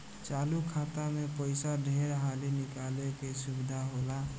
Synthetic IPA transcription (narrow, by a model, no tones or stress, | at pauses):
t͡ʃalukʰat̪amepəɪsaɖʱeɾɦalinikalekesubid̪ʱaɦola